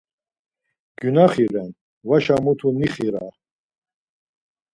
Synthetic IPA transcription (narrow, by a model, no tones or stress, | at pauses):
ɡ̥ynaχiɾɛn | vaʃamut̪ʰuniχiɾa